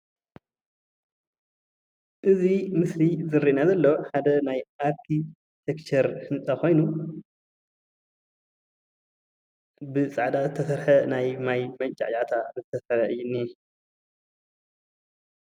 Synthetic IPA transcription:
ʔɨzimɨslizɨɾːinazɐlːo̞ħad̪ɐnajʔaɾkʰi | t̪ʰekt͡ʃʰɐɾhɨnt͡sʼɐko̞jnu | bɨsʼaʕd̪azɨt̪ʰːɐsɐɾħɐnajmajmɐnt͡ʃʼa̰ʕt͡ʃʼat̪ʰazɨt̪ʰːɐsɐɾɐʔɨjːunːi

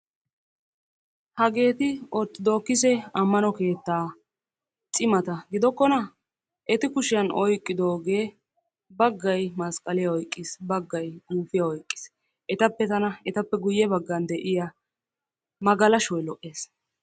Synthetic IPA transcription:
hɐɡe̞ːt̪ɪɔɾt̪ːɪd̪oːkːɪs̬ɛɐmːɐnɔke̞ːt̪ːaː | t͡sʼɪmɐt̪ɐɡɪd̪ɔkːɔnɐ | ʔɛt̪ɪkʊʃɪjɐnɔjkʼːɪd̪o̞ːɡe̞ː | bɐɡːɐjmɐskʼɐlɪjɐɔjkʼːisbɐɡːɐjduːfɪjɐɔjkʼːɪ̥s | ʔɛt̪ɐpːɛt̪ɐnɐɛt̪ɐpːɛɡʊjːɛbɐɡːɐnd̪ɛʔɪjɐ | mɐɡɐlɐʃɔjlɔʔe̞ːs

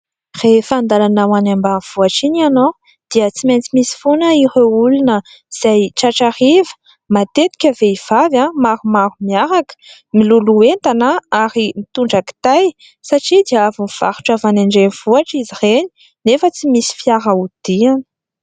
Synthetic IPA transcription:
r̥efand̪alanawanambanv̥uaʈ͡ʂinano | d̪̥iət͡siment͡simisi̥fonəiɾeulunə | z̥ajʈ͡ʂaʈ͡ʂarivə̥ | mat̪et̪i̥kʲəveiv̥avãmaɾumaɾumiaɾakə̥ | miluluent̪anaaɾimit̪uɳɖ͡ʐaki̥t̪aj | saʈ͡ʂid̪iavuniv̥a̰ɾu̥ʈ͡ʂavaneɳɖ͡ʐeniv̥uaʈ͡ʂizireni̥ | nefət͡simisi̥fiaɾaud̪̥ian

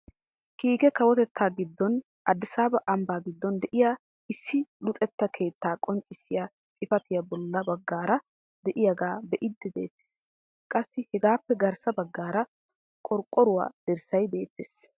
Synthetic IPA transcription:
kiːɡɛkɐwɔt̪ɛt̪ːaːɡɪd̪ːɔn | ʔɐd̪ːɪsaːbɐʔɐmbaːɡɪd̪ːɔnd̪ɛʔɪjaː | ɪsːɪlʊt̪ʼɛt̪ːɐkʰe̞ːt̪ːaːkʼɔnt͡ʃʼːɪsːɪja | tʼɪfɐt̪ɪjɐbɔlːɐbɐɡːaːɾɐ | d̪ɛʔɪjɐɡaːbɛʔɪd̪ːɛbe̞̰ːt̪ːe̥ːss | kʼɐsːɪhɛɡaːpːɛɡɐɾsɐbɐɡːaːɾɐ | kʼɔɾkʼːɔɾʊwa̰ːd̪̥ɛɾsɐjbe̞ːt̪ːeːs

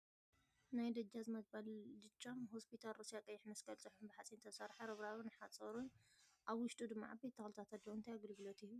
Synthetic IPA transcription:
najd̪ɐd͡ʒːazɨmɐzbalːɨt͡ʃʼːamhospʰit̪ʰalɾosijakʼɐjːɪħmɐsɡɐlt͡sʼɨħunbɨħat͡sʼint̪ʰɐsɐɾħɐɾɨβɾaβunɨħat͡sʼɐɾunʔaβwʊʃt̪ʼud̪ɨmːa̰ʕabet̪ʰːɐxlt̪ʰat̪ʰat̪ːowɨnt̪ʰajaɡɨlɡɨlot̪ʰiju

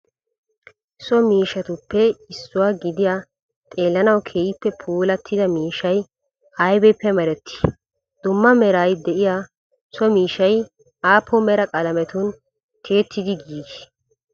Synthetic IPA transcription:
sɔmiːʃɐt̪ʊpːɛɪsːʊwaːɡɪd̪ɪjaː | t̪ʼe̞ːlːɐnɐwkʰeːjɪpːɛpʰuːlɐt̪ʰːɪd̪ɐmiːʃɐj | ɐjbɛpːɛmɐɾɛt̪ʰːɪ̥ | d̪̥ʊmːɐmɛɾaːjd̪ɛʔɪjaː | sɔmiːʃɐj | ʔaːpʰːɔmɛɾɐkʼɐlɐmɛt̪ʊn | t̪ʰe̞ːt̪ʰːɪd̪ɪɡiːɡ

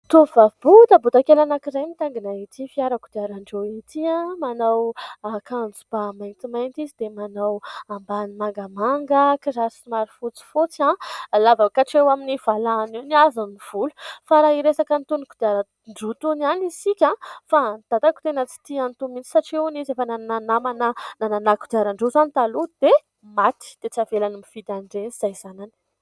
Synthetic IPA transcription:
t̪uvavbut̪əbut̪akelanakizajmit̪aŋɡinait̪ʰifiaɾakud̪iaɾaɳɖ͡ʐoit̪iãmanawakand͡zub̥amajnt̪imajnt̪izid̪emanawambanimaŋɡamaŋɡəkiɾaɾsimaɾifut͡si̥fut͡sãlavakaʈ͡ʂewaminiv̥alaniniazaniv̥ulufaɾaiɾesakənit̪unukud̪iaɾa | ɳɖ͡ʐut̪unanisikʲãfad̪̥at̪aku̥t̪enət͡si̥t̪iant̪umint͡si̥saʈ͡ʂiunizefənananamanənananakud̪aɾaɳɖ͡ʐezanit̪alud̪̥e | mat̪i̥d̪̥et͡savelanimifid̪aɳɖ͡ʐenz̥ajz̥anani̥

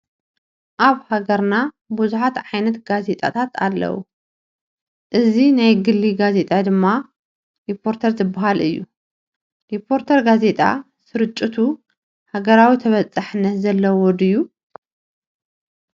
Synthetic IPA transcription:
ʔaβhaɡɐɾna | buzuħat̪ʕajnɐt̪ɡaze̞t̪ʼa̰t̪ʰat̪ʰa̰lːɐ̰wṵ | ʔɨzinajɡɨlːiɡaze̞t̪ʼad̪ɨmːa | ɾipʰo̞ɾt̪ʰɐɾzɨbaɦalɨjːṵ | ɾipʰːo̞ɾt̪ʰɐɾɡaze̞t̪ʼa̰ | sɨɾɨt͡ʃʼːɨt̪ʰu | haɡɐɾawit̪ʰɐβɐt͡sʼːaħɨnːɐt̪zɐlːɐwwɔd̪ɨjːu

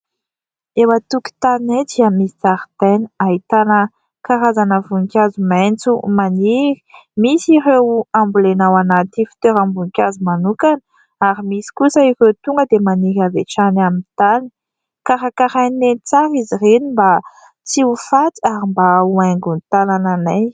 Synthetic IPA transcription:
ewat̪uki̥t̪aned̪iamisi̥t͡saɾt̪eniait̪anə | kaɾazanəvuŋkʲazumɛent͡sumaniɾi̥misiɾewambulenawanat̪ifi̥t̪øɾambuŋikʲazumanukan | aɾimisi̥kusəikewt̪uŋɡəd̪emaniɾaveʈ͡ʂanamint̪ani̥ | kaɾakaɾajnent͡saɾizirenimba | t͡siufat̪aɾimbauaŋɡunt̪alananaj

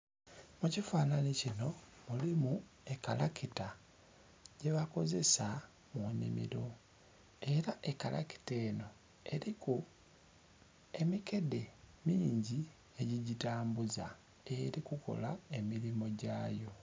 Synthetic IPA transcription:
mucifaːnanicino̞mulimu | e̞kalakita | ɟ̥e̞βako̞ze̞sa | moɲḭmḭɾo̞ | e̞ɾaʔe̞kala̰ki̥te̞ːno̞ | e̞ɾiku | e̞mike̞de̞miːɲɟi | e̞ɟiɟitaːmbuza | e̞ɾikuko̞̰lae̞miɾimo̞ɟaːjo̞

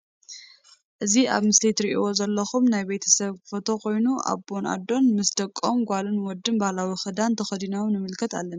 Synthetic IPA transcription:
ʔɨziʔa̰βmɨslit̪ɾiʔiwo̞zɐlːɐxumnajbet̪ʰɐ̥sɐβfɐt̪ʰo̞ko̞jnuʔa̰βo̞nʔa̰d̪o̞nmɨsd̪ɐkʼːomɡʷalɨnwɔd̪ːɨnbahlawixɨd̪ant̪ʰɐxɐd̪inawnɨmɨlkʰɐt̪a̰lːɐna

